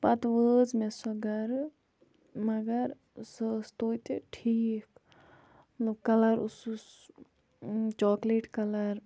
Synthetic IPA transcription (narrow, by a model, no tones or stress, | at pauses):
pɐt̪ʋəːzmesɐɡɐɾ | mɐɡɐɾ | səːst̪oːit̪eʈʰiːk̪ | ɐkɐlɐɾʊsus | t͡ʃɔːkleʈkɐlɐɾ